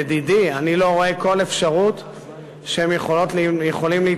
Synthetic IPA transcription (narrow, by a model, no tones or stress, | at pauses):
d̪idianilo̞ʁoe̞ko̞le̞fʃaʁut̪ | ʃehemjeχolotlijeχo̞limlii